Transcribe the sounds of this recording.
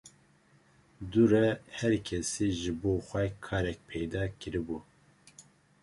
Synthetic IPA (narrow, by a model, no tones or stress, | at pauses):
d̪uɾɛhɛɾkʰɛsiːʒɪboːxʷɛkʰɑːɾɛk̚pʰɛjd̪ɑːkʰɨɾibu